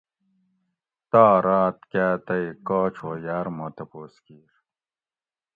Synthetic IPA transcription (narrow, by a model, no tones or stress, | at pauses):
t̪aːɾaːt̪kaːt̪ɐjkoːt͡ɕʰojaɾmot̪ɐpoːskiːɾ